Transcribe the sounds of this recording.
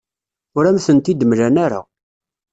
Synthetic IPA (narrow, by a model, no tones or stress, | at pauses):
ʊɾæmθənt̪id̪mlænæɾa̰